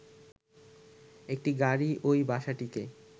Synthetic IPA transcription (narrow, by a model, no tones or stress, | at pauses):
ek̚ʈiɡaɾiʔojbaʃaʈike